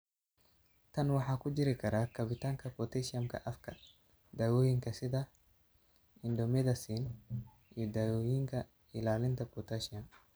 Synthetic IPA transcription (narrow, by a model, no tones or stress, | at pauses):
t̪ʰɐnwɑħɑːkʰʊd͡ʒɪɾɪkʰɐɾaːkʰɐβɪt̪ʰaːŋkʰɐpɔt̪ʰɛʃɪɐmkʰɐ̰ʔɐfkʰɐ | d̪aːwɔːjɪŋkʰɐsɪðɐ | ɪnd̪ɔmɛðɐsiːn | ʔijɔd̪aːwɔːjɪŋkʰɐ | ɪlaːlɪnt̪ʰɐpɔt̪ʰɐʃɪɐm